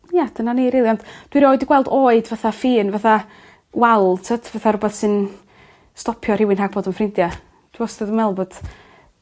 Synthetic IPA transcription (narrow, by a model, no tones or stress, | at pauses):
jad̥ənaniɾiːlˠiɔnd̥d̥wiɾoːɨdiɡwɛlˠdoːɨdvaθafiːnvaθa | walˠtʰatʰvaθarʊbɛθsɨn | stɔpʰjɔr̥ɪwɪnhaːɡ̥boːdənfrɪndja | d̥wɪɔstɛðəmɛlˠboːd̥